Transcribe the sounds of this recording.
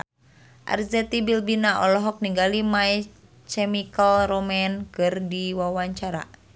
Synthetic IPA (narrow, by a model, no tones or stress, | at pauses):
ʔa̰rzɛt̪ibilbinaʔɔlɔɦɔk̚niŋɡalimaɛ | t͡ʃɛmikəlromɛnkɨrdiwawaɲt͡ʃaɾa̰